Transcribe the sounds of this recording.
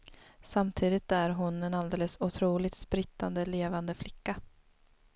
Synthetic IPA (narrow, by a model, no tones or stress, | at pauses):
samt̪ʰiːd̪ɪt̪æɾɦʊnɛnald̪eːləsʊt̪ʰɾuːlɪt̪spɾɪt̪ːand̪əleːvand̪əflɪkːa